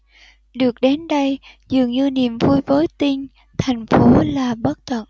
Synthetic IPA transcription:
ɗɨ˨˩ək̚ɗe˨˦nɗə˧jzɨ˨˩əŋɲɨ˧nḭ˨˧˨əmvu˧jvəː˨˦jt̪ï˧ŋ | t̪ʰa˨˩jŋ̟fo˨˦laː˨˩ɓə˦˥t̚t̪ə̰˧˨n

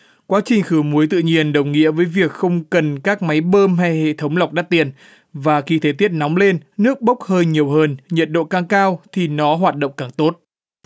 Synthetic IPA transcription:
kwaː˨˦t͡ɕï˨˩ŋ̟xɨ˧˩mu˨˦əjt̪ɨ̰˧˨ɲi˧˩ənɗə˨˩wŋḭ˧˥əvəː˨˦jvi˨˩ək̚xə˧wŋ͡mkə˨˩nkaː˦˥k̚ma˨˦jɓəː˧mɦa˧jhḛ˧˨t̪ʰə˨˦wŋ͡mla˨˩wk͡p̚ɗaː˦˥t̪i˨˩ən | vaː˨˩xi˧t̪ʰe˨˦t̪i˦˥ət̚nɔ˨˦wŋ͡mle˧nnɨ˦˥ək̚ɓə˦˥wk͡p̚həː˧jɲi˨˩əwɦəː˧nɲə̰˨˩t̚ɗo̰˧˨kaː˧˩ŋkaː˧wt̪ʰi˨˩nɔ˨˦ɦwaː˨˩t̚ɗə̰˧˨ŋ͡mkaː˨˩ŋt̪o˦˥t̚

